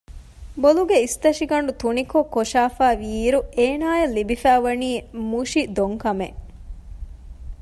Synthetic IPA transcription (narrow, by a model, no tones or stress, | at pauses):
boluɡeist̪ɐʃiɡɐɳɖut̪unikokːoʂaːfaːʋiːɾueːnaːjelːibifæːʋɐniːmuʃid̪oŋkɐme